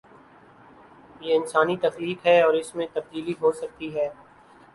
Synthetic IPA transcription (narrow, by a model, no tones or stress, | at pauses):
jeɪnsaːnit̪ɐxliːkɦɛɔːɾɪsmẽt̪ɐb̚d̪iːliɦoːsɐk̚t̪iɦɛː